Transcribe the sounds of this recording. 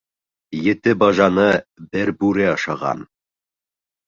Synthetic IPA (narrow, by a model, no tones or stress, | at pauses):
jɘ̆t̪ɘbɑʒɑnɤbɘɾbʉɾɘɑʃɑʁɑ̰n